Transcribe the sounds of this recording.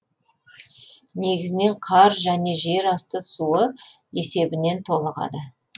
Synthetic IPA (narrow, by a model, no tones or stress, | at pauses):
ne̞ɡʲɪzɪne̞ɴqʰɑɾʒæne̞ʒe̞ɾɑst̪əsuə | e̞se̞bɪne̞nt̪ʰo̞lˠəʁɑ̰d̪ə